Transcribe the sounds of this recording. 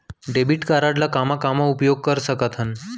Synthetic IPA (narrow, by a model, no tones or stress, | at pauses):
ɖebiʈkaɾaʈlakamakamaupjoɡ̚kəɾsəkət̪ʰɦən